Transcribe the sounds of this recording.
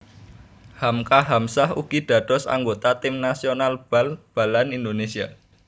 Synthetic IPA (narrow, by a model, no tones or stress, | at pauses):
hamkaɦamsahṵɡ̥iɖ̪̥ä̤d̪̥ɔ̤sa̰ŋɡot̪at̪ɪmnasionalb̥alb̥a̤lanind̪onesia